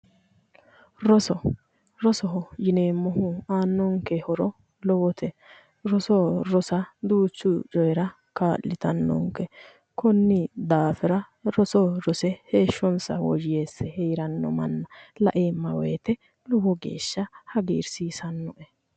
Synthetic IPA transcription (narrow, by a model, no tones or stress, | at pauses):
ɾɔsɔ | ɾɔsɔɦɔjɪneːmːɔɦʊaːnːɔŋkɛhɔɾɔ | lɔwɔt̪ɛ | ɾɔsɔɾɔsɐd̪uːt͡ʃːʊt͡ʃʼɔjɛɾɐ | kaːlːɪt̪ɐnːɔ̰ŋkɛ | kɔnːɪd̪aːfɪɾɐ | ɾɔsɔɾɔsɛheːʃːɔnsɐ̰wɔ̰d͡ʒɪjeːsːɛhɛjɾɐnːɔ̰mɐ̰nːɐlɐ̰ʔeːmːɐwɛ̰jt̪ɛ | lɔwɔɡḛːʃːɐhɐɡḭːɾsiːsɐnːɔʔɛ